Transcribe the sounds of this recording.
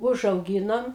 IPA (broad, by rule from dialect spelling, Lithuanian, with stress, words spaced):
ʊʒɐʊˈɡʲiːnoːm